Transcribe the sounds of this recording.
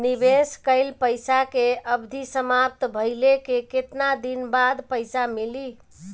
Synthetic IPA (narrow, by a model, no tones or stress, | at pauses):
nibeskəɪlpəɪsakeəbd̪ʱisəmap̚t̪bʱəɪlekeket̪nad̪inbad̪pəɪsamili